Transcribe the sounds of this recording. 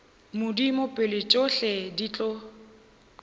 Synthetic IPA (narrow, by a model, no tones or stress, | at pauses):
mʊdimʊpʼɪlɪt͡ʃʼoɬɛdit͡ɬʼɔ